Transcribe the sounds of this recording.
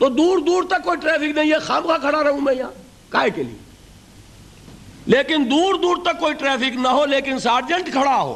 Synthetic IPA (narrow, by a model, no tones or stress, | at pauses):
t̪oːd̪uːɾd̪uːɾt̪ɐkːoːiʈɾɛːpʰɪknɐĩjexamkakʰɐɽaɾɐɦũmɛ̃jãː | kaːekelḭjḛ | leːkɪnd̪uːɾd̪uːɾt̪ɐkːoːiʈɾɛːpʰɪknɐɦoleːkɪnsaːɾd͡ʒə̃ɳʈkʰɐɽaɦo̰ː